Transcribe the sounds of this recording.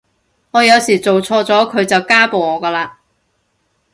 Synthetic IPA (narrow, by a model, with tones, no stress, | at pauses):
ŋɔː˨˧jɐ˨˧wsiː˨˩t͡so˨wt͡sʰɔː˧t͡sɔː˨˥kʰɵ˨˧ɥt͡sɐ˨wkaː˥po˨wŋɔː˨˧kɐː˧laː˧